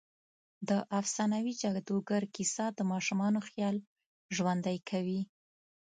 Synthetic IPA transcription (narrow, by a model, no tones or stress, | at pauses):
d̪əʔafsɑnawid͡ʒaɡd̪oɡaɾkisɑd̪əmɑʃumɑnoxjɑl | ʒwand̪ajkʰawi